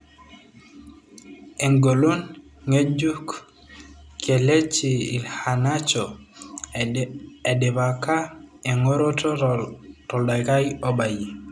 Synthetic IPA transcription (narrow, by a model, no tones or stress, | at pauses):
eŋɡolunŋed͡ʒuk | kʰelet͡ʃiḭlhanat͡ʃɔ | edɛbakaeŋɔɾɔtɔtɔlɗajkajɔɓaji